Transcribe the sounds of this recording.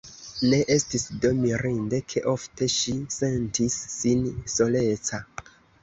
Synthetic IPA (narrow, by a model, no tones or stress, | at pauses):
neʔe̞stisdomiɾinde̞kʰe̞ʔofte̞ʃise̞ntisːinso̞le̞t͡sa